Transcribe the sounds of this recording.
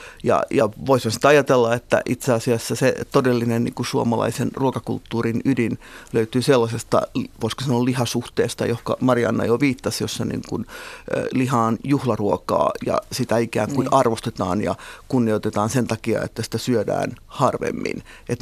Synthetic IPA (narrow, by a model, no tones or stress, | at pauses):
jɑ̰jɑʋoishɑnsi̥t̪ɑjɑt̪elːɑet̪ːæ̰ʔit̪seɑsiɑsːæset̪odelːinennḭŋkusuomɑlɑ̰isenruokɑkṵlt̪ːuːrinydinløyt̪yːselːɑsest̪ɑ̰ʋoiskosɑnolihɑsuht̪eːst̪ɑ̰johkɑ̰mɑriɑ̰nːɑ̰joʋiːt̪ːɑsjosːɑnḭːŋkun̰ːlihɑːnjuhlɑruokɑ̰ːjɑ̰sit̪æikæ̰ːŋkunɑrʋost̪et̪ɑ̰ːnjɑ̰kunːiot̪et̪ɑːnsent̪ɑkiɑ̰ḛt̪ːæsi̥t̪æsyødæ̰ːnhɑrʋḛmːḭn | et̪